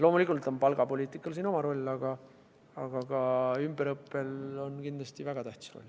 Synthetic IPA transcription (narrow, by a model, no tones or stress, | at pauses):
lo̞ːmulikult̪o̞npɑlɡ̥ɑpo̞lʲiːt̪ˑikːˑɑlsiːno̞mɑɾo̞lʲːɑɡ̥ɑ | ɑɡ̥ɑɡ̥ɑymbeɾɤpːˑe̞lo̞nkind̪lɑst̪ivæɡ̥ɑt̪æht̪i̥sro̞̰lʲː